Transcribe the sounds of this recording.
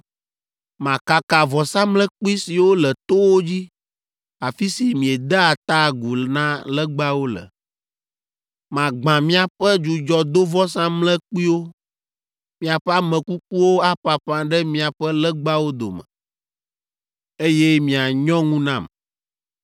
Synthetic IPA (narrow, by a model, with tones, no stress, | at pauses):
mã˨ka˨ka˨vɔ˨sã˦mlɛ˦k͡pu˦i˦si˨wo˦lɛ˨t̪o˦wo˦d͡ʑi˦ | a˨fi˦si˨mĩ˨ɛ˨d̪ɛ˦a˨t̪a˦˨ɡu˨nã˦lɛ˦ɡ͡ba˦wo˦lɛ̰˨ | mã˨ɡ͡bã˨mĩ˦a˨ɸɛ˦d͡ʒu˨d͡ʒɔ˨d̪o˦vɔ˦sã˦mlɛ˦k͡pi˦wo˦ | mĩ˦a˨ɸɛ˦a˦mɛ̃˨ku˦k̚u˦wo˦a˦ɸa˨ɸã˦ɖɛ˦mĩ˦a˨ɸɛ˦lɛ˦ɡ͡ba˦wo˦d̪o̰˨mɛ̰˨ | e˦jɛ˦mĩ˨a˨ɲɔ̃˦ŋũ˦nã˦˨m